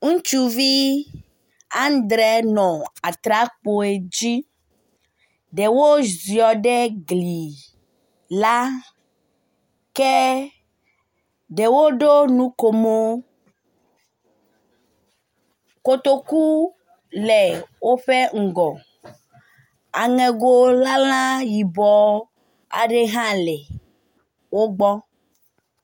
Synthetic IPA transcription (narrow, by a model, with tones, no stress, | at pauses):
ŋũ˦t͡ʃu˦vi˦ | a˦n˦d̪ɾɛ˦nɔ̃˨a˨t̪ɾa˦k͡po˨e˨d͡ʑi˦ | ɖɛ˨wo˦zi˨ɔ˨ɖɛ˦ɡli˨ | la˦ | kɛ˦ | ɖɛ˨wo˦ɖo˦nũ˦ko˨mo˦ | ko˦t̪o˦ku˦ | lɛ˨wo˦ɸe˦ŋ̩˨ɡɔ˨ | a˨ŋɛ̃˨ɡo˦la˦l̃ã˦ji˨bɔ˨˦ | a̰˨ɖe˦ɦã˦lɛ˨ | wo˦ɡ͡bɔ˦